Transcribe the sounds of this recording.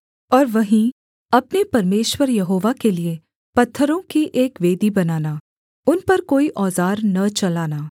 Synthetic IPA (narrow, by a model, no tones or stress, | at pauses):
ɔːɾʋɐɦĩ | ɐpnepɐɾmeːʃwəɾjɐɦoːʋakelie | pɐt̪ʰːəɾõkiʔeːkʋeːd̪ibɐnaːnaː | ʊnpɐɾkoːiʔɔːzaːɾnɐt͡ʃɐlaːnaː